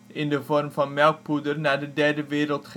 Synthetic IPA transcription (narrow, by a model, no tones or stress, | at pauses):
ʔɪndəvɔrmvɑnmɛlˠk̚pudərnaːɹdədɛɹdəʋɪːɾəlˠtχ